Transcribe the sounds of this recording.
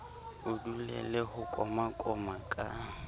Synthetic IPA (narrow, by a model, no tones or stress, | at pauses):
ʊdulɛ̰lɛhʊkʼɔmakʼɔmakʼa